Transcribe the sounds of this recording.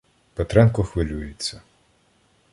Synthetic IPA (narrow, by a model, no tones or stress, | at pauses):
pet̪ɾɛnkɔxʋɪlʲujɪt͡sʲːɐ